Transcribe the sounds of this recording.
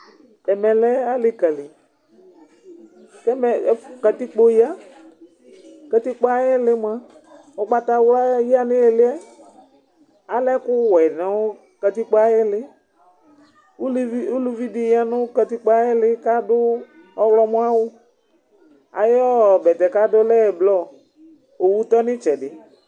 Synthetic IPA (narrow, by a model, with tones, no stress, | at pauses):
ɛ˨mɛ˨lɛ˦a˦lɪ˦ka˨li˨ | tɛ˦mɛ˨˦ka˨ti˦k͡po˦ja˦ | ka˨ti˦k͡pa˦jɛ˦lɪ˦m˦a˦ | ɔ˦ɡ͡ba˦ta˨˦wla˦ji˦a˦nɪ˦ɛ˨lɪ˦ɛ˦ | a˨lɛ˦kʊ˦wɛ˨nɛ˨wʊ˦ | ka˨˧t̪i˦k͡pa˦jɪ˦lɪ˦ | u˦lvi˦u˦lu˦vi˦di˨ja˦nʊ̃˦ka˧t̪i˦k͡pa˦jɪ˦lɪ˦ka˦dʊ˦ | ɔ˦wlɔ˦mũ˦a˦wʊ˦ | a̰˨jɔ˦˨bɛ˨t̪ɛ˨ka˦dʊ˦lɛ˦˨blɔ˦˨ | o˨wu˦t̪ɔ˦nɪ̃˦t͡ʃɛ˨dɪ˨